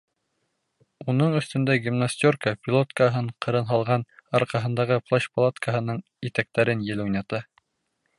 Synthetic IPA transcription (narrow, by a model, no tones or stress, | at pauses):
unɤɴɵ̆θt̪ɵ̆nd̪æɡʲimnasʲt̪ʲorkəpʲilˠot̪kəɦɤɴqɤ̆ɾɤnɦɑlˠʁɑnɑɾqɑɦɤ̆nd̪ɑʁɤplˠoɕpɐlˠat̪kəɦɤ̆nɤɴ | it̪æk̚t̪æɾɘnjɘ̆lujnɑt̪ɤ